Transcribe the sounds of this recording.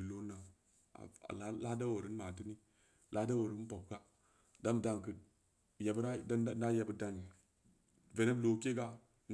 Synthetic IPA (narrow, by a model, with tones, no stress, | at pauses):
lo˦na˨ | a̰˨a̰˨lla˦da˦wo˨ɾi˦n˦ma˨ti˦ni˦ | lʔa˦da˦wo˨ɾi˦n˦po˨k̚ka˦ | da˦m˨da˦ŋ˨kə˨ | ja˨bɾa˦a˦na˦je˨bə˦da˨ŋi˨ | ve˨ne˦blo˨˦ke˦ɡa˦ | n